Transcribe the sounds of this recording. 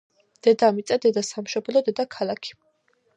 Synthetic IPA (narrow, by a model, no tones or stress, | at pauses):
d̪̥ɛd̪amit̪sʼad̪ɛd̪asamʃɔblɔd̪ɛd̪akʰalakʰi̥